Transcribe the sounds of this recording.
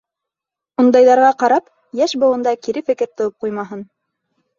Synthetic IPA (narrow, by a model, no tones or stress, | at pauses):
und̪ɑjðɑɾʁɑqɑɾɑp | jæʃbɤ̆wɤ̆nd̪ɑkiɾɘfɘ̆kɘɾt̪ɤ̆wɤp̚qujmɑɦɤn